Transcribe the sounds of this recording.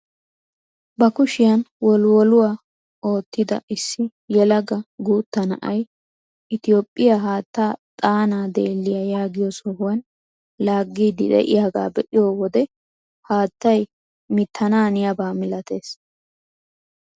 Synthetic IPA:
bɐkʊʃɪjɐnwɔlwɔlʊwaː | o̞ːt̪ːɪd̪ɐ̰ʔɪsːɪ | jɛlɐɡɐɡuːt̪ːɐnɐʔɐj | ɪt̪ɪjo̞ːpʼːɪjaɦaːt̪ːaːt̪ʼaːnaːd̪eːlːɪjɐjaːɡɪjɔsɔhʊwɐn | laːɡːiːd̪ɪ̰d̪ɛ̰ʔɪ̰jaːɡa̰ːbɛʔɪjoːwɔd̪ɛ | haːt̪ːɐj | mɪt̪ʰːɐnaːnɪjɐbaːmɪlɐt̪e̞ːs

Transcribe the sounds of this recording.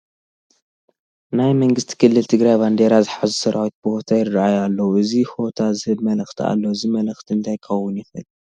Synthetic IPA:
najmɐŋɡɨst̪ʰi̥kʰɨlːɨlt̪ʰɨɡɾajband̪e̞ɾazɨħazusɐɾawit̪̚bɨho̞t̪ʰajɪɨraʕajalːɐwuʔɨziho̞t̪ʰazɨhɨbmɐlɨxt̪ʰia̰lːoɨzimɐlɨxt̪ʰiɨnt̪ʰajkʰɐwːʊnjɪfɐlːu

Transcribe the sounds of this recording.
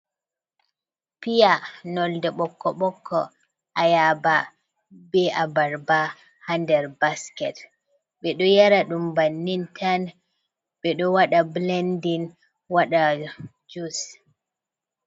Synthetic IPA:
pijanɔldɛɓɔkːɔɓɔkʰːɔ | ʔajaba | bɛʔabaɾba | handɛɾbaskɛt | ɓɛɗɔjaɾaɗumbanːintʰan | ɓɛɗɔwaɗablɛndin | waɗa | d͡ʒus

